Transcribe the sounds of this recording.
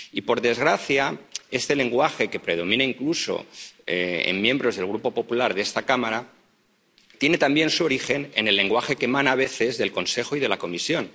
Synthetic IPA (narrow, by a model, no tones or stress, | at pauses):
ipo̞ɾðe̞zɣɾaθjae̞st̪e̞le̞ŋɡwaxe̞ke̞pɾe̞ð̞o̞mĩnaiŋkluso̞̰eḛmmjẽ̞mbɾo̞zðe̞lɣ̞ɾupo̞po̞pulaɾðe̞st̪akamaɾa | t̪je̞ne̞t̪ambje̞nsuo̞ɾixe̞ne̞̰ne̞lːe̞ŋɡwaxe̞kemãnaβ̞e̞θe̞zðe̞lko̞nse̞xoiðe̞lako̞misjo̞n